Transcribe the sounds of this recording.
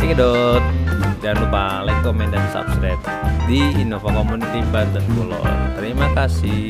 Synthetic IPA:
t̪ikedɔt̪̚d͡ʒanlupalɛŋkɔmɛnd̪assa̰pskɾajp̚ | diinofakɔmunit̪ibad̪əskulɔ̰nt̪əɾimakasi

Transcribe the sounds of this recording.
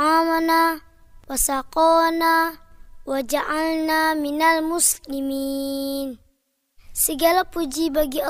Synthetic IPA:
amana | wasaqɔna | wad͡ʒaʔalnaminalmuslimiːn | səɡalapud͡ʒibaɡia

